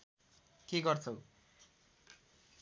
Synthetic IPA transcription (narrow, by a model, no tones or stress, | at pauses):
keɡʌrt͡sʰʌw